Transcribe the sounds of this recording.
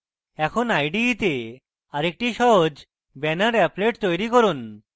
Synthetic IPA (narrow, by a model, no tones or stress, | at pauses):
ɛkʰonajɖit̪e | aɾek̚ʈiʃɔɦod͡ʑ | bɛnaɾɛpleʈt̪ojɾikɔɾun